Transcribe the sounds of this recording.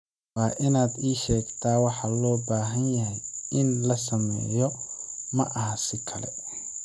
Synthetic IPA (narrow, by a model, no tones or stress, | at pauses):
waːʔɪnaːd̪iːʃɛːɡt̪ʰaːwɑħɑlɔːbaːɦɐnjɐɦɛjɪnlɐsɐmɛ̰ːjɔmɐʔɐɦɐsɪkʰɐlɛ̰